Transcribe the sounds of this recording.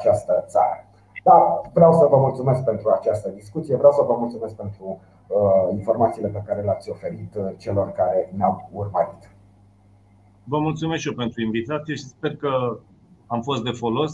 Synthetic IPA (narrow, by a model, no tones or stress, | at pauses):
at͡ʃast̪ət̪sa̰ɾə̰ | d̪avɾeawsəvəmult̪sumesk̚pe̞nt̪ɾuat͡ʃast̪əd̪iskut̪sijevɾʲawsəvəmult̪sume̞sk̚pe̞nt̪ɾu | info̞rmat̪siːle̞pe̞kaɾeleat̪sʲo̞fe̞ɾit̪t͡ʃe̞lo̞rkaɾe̞neawurməɾit̪ | vəmult̪sumesʃijopent̪ɾuinvit̪at̪sije̞ʃispe̞rkə | amfo̞st̪d̪e̞fo̞lo̞s